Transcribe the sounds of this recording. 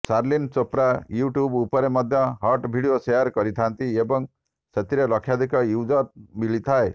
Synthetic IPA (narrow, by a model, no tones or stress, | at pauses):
saɾlint͡ʃopɾajuʈjubupɔɾemɔd̪ʱjɔɦɔɾʈbʱiɽijoseaɾkɔɾit̪ʰant̪iebɔŋ | set̪iɾelɔkʰjad̪ʱikɔjud͡ʒɔɾmilit̪ʰae